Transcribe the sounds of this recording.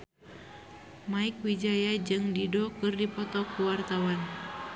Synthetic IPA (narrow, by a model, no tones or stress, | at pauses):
maik̚wid͡ʒajad͡ʒɨŋdidɔkɨrdipɔt̪ɔkuwart̪awan